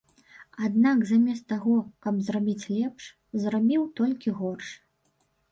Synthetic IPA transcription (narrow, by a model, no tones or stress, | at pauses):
ad̪̚nakzamʲɛst̪aɣɔkɐbzrabʲit͡sʲlʲɛpʂ | zɾabʲiwt̪ɔlʲkʲiɣɔrʂ